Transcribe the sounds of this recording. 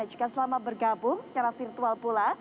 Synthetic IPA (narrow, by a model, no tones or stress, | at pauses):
ad͡ʒu̥ɡasəlamabərɡabʊŋssə̥t͡ʃaɾafirt̪ualpula